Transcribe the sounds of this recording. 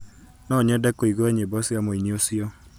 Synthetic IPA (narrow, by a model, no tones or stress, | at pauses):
nɔɲɛdɛkoiɡoɛɲebɔsɪamoiniosiɔ